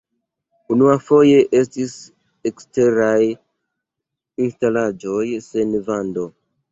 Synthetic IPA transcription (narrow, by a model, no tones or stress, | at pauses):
unuafo̞je̞ʔe̞stis | ekste̞ɾaj | instalad͡ʒo̞jsenvando̞